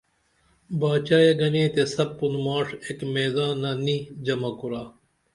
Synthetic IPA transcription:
baːt͡ɕaːjeɡɐnẽːt̪esɐb̚punmaːʂekmeːzãːnːaniːd͡ʑɐmɐkuɾaː

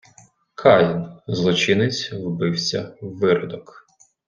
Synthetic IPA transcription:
kʰɑjinzlˠɔt͡ʃɪnɪt͡sʲwbɪwsʲɐ̰ʋɪɾɔd̪ɔk

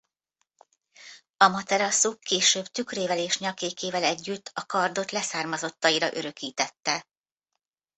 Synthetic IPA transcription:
ɒmɒt̪ɛɾɒsukːeːʃøːbt̪ykreːvɛleːʃɲɒkeːkʰeːvɛlɛɟːyt̪ːɒkɒrd̪o̞t̪lɛsaːrmɒzo̞t̪ːɒiɾɒʔøɾø̞kiːt̪ɛt̪ːɛ

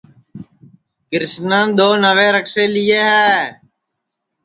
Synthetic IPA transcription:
kɪɾɪsnãːnd̪oːnəʋeːɾəkseːlɪjeːɦɛː

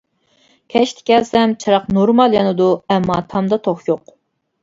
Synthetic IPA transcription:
kʲʰɛʃt̪ʰɪ̥kʲɛlsɛmt͡ʃʰɨɾɑqnoɾmɑlˠjɑnɨd̪uɛmːɑt̪ʰɑmd̪ɑt̪ʰoχjoq

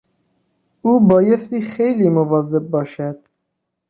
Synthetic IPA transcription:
ʔuːbɒːjest̪iːxejliːmovɒːze̞b̚ːɒːʃæd̪̥

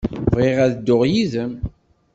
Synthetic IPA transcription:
vʁeʁæðd̪ːʊʁjizəm

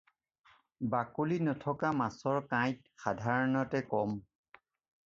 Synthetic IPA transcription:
bakulinɔtʰɔkamasɔɹkãjt̚ | xadʱaɹɔnɔtɛkɔm

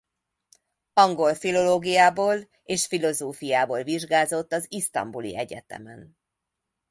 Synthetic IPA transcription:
ɒŋɡo̞lfilo̞loːɡijaːboːl | eːʃfilo̞zoːfijaːboːlviʒɡaːzo̞t̪ːɒzist̪ɒ̰mbulḭɛɟɛ̰t̪ɛ̰mɛn

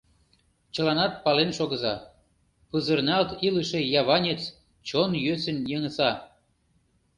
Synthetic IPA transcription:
t͡ɕə̆lɑnɑt̪̚pɑlenʃoɣə̆zɑ | pɯzərnɑlt̪iləʃĕjɑβɑnʲet͡s | t͡ɕonjøsənjəŋə̆sɑ

